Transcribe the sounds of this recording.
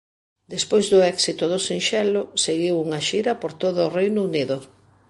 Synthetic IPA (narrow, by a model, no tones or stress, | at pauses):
d̪espojzðʊɛksit̪ʊðʊsinʃɛlʊseɣiwuŋɐʃiɾɐpoɾt̪oðʊːrejnʊuniðʊ